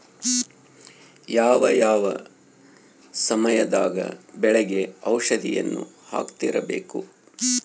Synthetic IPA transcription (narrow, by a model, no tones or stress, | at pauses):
jaːʋɐjaːʋɐ | sɐmɐjɐd̪aːɡɐ̰bɛɭɛɡe̞ɐwʂɐd̪ʱijɐ̰nːu | ha̰ːkt̪iɾɐbe̞̰ːku